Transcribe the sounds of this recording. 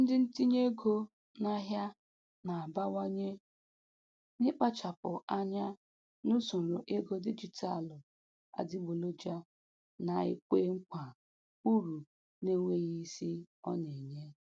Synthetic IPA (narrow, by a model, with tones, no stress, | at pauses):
n̩˦dɪ˦n̩˦ti˦ɲe˦ɡo˦ | na˦ɦja˦ | na˨a˨ba˦wa˦ɲe˦ | nɪ˦k͡pa˦t͡ʃa˨pʊ˨a˦ɲa˦ | nu˦sʊ˨lʊ˨ʔe˦ɡo˦di˦d͡ʒi˨ta˦˨lʊ˨ | a̰˨dɪ˦ɡ͡bo˨lo˦d͡ʒa˦ | na˨ḛ˦kʷe˦ŋ̩˦kʷa˨ | u˦ɾu˨ | ne˦ŋʷe˦ɣi˦si˦ɔ̰˦ne˨ɲe˦